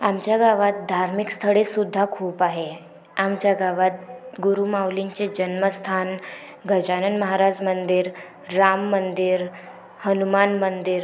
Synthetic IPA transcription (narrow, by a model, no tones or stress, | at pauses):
amt͡ɕjaɡaʋat̪̚d̪ʱaɾmikst̪ʰəɭesud̪ʱːakʰuːpaɦe | amt͡ɕjaɡaʋat̪̚ɡuɾumawlint͡ɕed͡ʑənməst̪ʰan | ɡʱəd͡ʑanənməɦaɾad͡ʑmənd̪iɾː | amːənd̪iɾ | hənumanmənd̪iɾ